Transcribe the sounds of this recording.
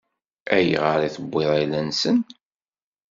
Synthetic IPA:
æjḭʁəɾˤiθəbːɪðˤajlænsən

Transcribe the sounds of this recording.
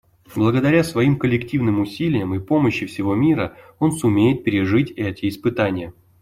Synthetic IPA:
blˠəɡəd̪ɐɾʲasvɐimkəlʲːɪktʲivnɨmʊsʲilʲɪjəmɨpo̞məɕːɪfsʲɪvo̞mʲiɾəo̞nsʊmʲejɪt̪̚pʲɪɾʲɪʐɨtʲɛtʲɪːspɨt̪anʲɪjə

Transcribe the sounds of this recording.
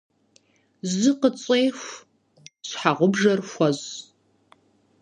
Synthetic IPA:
zɨqət͡sʼejxʷ | ɕħaʁʷʊbʐɐrxʷɔz

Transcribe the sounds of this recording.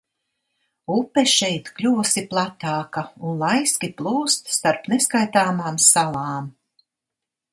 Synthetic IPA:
upɛʃɛjt̪klʲuːɔsiplˠat̪aːkaunlˠajsʲkʲiplˠuːst̪st̪aɾpneskajt̪aːmaːmsalˠaːm

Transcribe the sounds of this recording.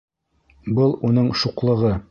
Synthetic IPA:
bɤlˠunɤɴʃuqlˠɤ̆ʁɤ

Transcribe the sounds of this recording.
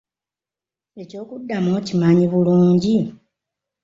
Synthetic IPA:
e̞co̞ːkudːamocimaɲiβuluːɲɟi

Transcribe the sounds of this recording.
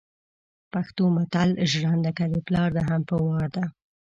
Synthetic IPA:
paxt̪omat̪alʒɽand̪əkaleplɑɾd̪aɦampəwɑɾd̪a

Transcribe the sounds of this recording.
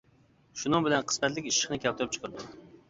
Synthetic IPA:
ʃunɨŋbɪlɛnqʰə̥smɛt̪lɪkʲiʃə̥χnɨkʲɛlt̪ʰʊɾɨp̚t͡ʃʰqʊɾd̪ʊ

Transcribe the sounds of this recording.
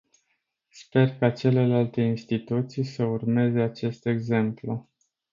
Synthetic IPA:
spe̞rkat͡ʃe̞le̞lalt̪e̞inst̪it̪ut̪sijsəurme̞ze̞at͡ʃe̞st̪e̞ɡze̞mplu

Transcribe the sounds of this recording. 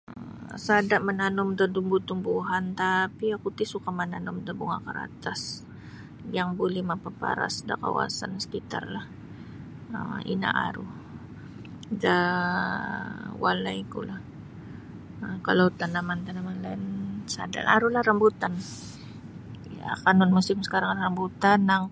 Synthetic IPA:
əsadaʔmənanʊmd̪əd̪umbut̪umbuɦant̪apiakut̪ɪsukamənanʊmdəbuŋa̰kaɾa̰t̪as | jaŋbolɛhmapapa̰ɾa̰sdaka̰wa̰sansə̥kit̪a̰rlah | ə̰mḭna̰ʔa̰ɾu | da | walaikulah | əkalawt̪anamant̪anamanlansa̰da̰na̰ɾulahɾambut̪an | jakanʊnmusɪmsə̥kaɾaŋɾəmbut̪anːaŋ

